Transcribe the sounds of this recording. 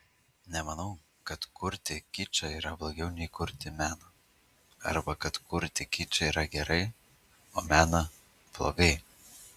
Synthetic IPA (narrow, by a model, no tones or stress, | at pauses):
nʲɛmɐnɐʊ | kɐt̪kʊɾʲt̪ʲɪkʲɪt͡ʃʲɐiːɾɐblˠoːɡʲɛʊnʲɛɪkʊɾʲt̪ʲɪmʲæːnɐ | ɐ̰ɾbɐkɐt̪kʊɾʲt̪ʲɪkʲɪt͡ʃʲɛiːɾɐɡʲɛɾɐɪ | oːmʲæːnɐ | plˠo̰ːɡɐɪ